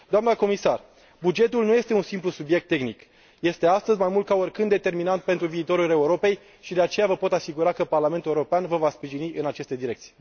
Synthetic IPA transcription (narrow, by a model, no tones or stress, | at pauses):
d̪oamnəko̞misar | bud͡ʒe̞t̪ulnuje̞st̪e̞unsimplusubije̞k̚t̪ːe̞xnik | je̞st̪e̞ast̪əzʲmajmult̪̚kaorʲkɨnd̪et̪e̞rminant̪̚pe̞nt̪ɾuviːt̪o̞ɾuleuɾo̞pe̞j | ʃid̪e̞at͡ʃe̞javəpo̞t̪asiɡuɾakəparlament̪uleuɾopeanvəvaspɾiʒiniʔɨnat͡ʃest̪e̞d̪iɾe̞k̚t̪si̥je